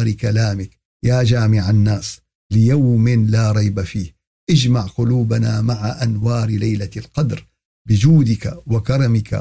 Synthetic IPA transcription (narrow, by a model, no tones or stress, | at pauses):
ɾkalaːmɪk | jaːd͡ʒaːmɪʕanːaːs | lɪjawmɪnlaːɾˤɑjbafiːh | ʔɪd͡ʒmaʕqʊluːbanamaʕaʔanwɑːɾlajlalqɑd̪ɾ | bɪd͡ʒuːd̪ɪkawakɑɾˤɑmɪka̰